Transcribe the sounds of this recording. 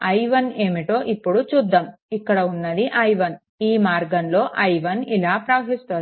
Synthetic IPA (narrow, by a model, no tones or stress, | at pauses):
ɐjʋɐne̞ːmiʈo̞ːʔipːuɽut͡ʃud̪ːɐmikːɐɽɐunːɐd̪iʔɐjʋɐn | iːmaːɾɡɐnlo̞ːʔɐjʋɐnilaːpɾaːʋɐɦist̪oː